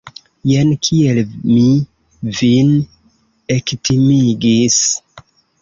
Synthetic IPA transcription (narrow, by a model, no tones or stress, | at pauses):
jenkʰielmi | vin | ektʰimiɡis